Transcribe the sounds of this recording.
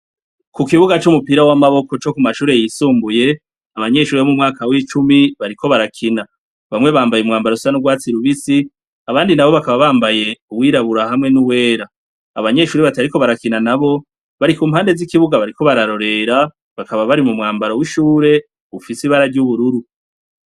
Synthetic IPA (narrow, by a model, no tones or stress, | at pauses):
kukiβuɡat͡ʃumupiɾawamaβo̞ko̞t͡ʃo̞kumaʃuːɾe̞jisuːmbuje̞ | aβaɲe̞ʃuːɾemumŋaːkawit͡ʃumiβaɾikʰo̞βaɾakʰina | βamŋe̞βaːmbajumŋaːmbaɾosanuɡwaːt͡siɾuβisi | aβaːndinaβo̞βakaβaβaːmbaje̞uwiːɾaβuɾahamŋe̞nuwe̞ːɾa | aβaɲe̞ʃuːɾeβataɾiko̞βaɾakinanaβo̞ | βaɾikuːmhaːnde̞zikiβuɡaβaɾiko̞βaɾaɾo̞ɾe̞ɾa | βakaβaβaɾimumŋaːmbaɾo̞wiʃuːɾe̞ | ufisiβaɾaɾɟuβuɾuɾu